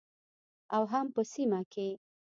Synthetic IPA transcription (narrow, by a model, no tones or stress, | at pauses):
awɦampəsimake